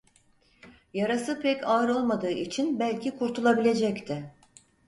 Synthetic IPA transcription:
jaɾasɯpʰɛcaɾo̞lˠmad̪ɯːʔit͡ʃʰinbælʲcʰikʰuɾt̪ʰulˠabilʲe̞d͡ʒɛct̪ʰɪ

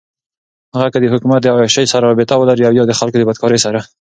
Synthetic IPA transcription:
haɣakəd̪əhʊkumat̪̚d̪əawaʃajsaɾaɾɔbɪt̪awəlaɾiawjɑd̪əxalkod̪əbad̪̚kʰɑɾəjsaɾa

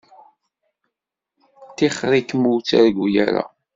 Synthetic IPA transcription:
t̪iχɾikmut͡sːaɾɡʷja̰ɾa̰

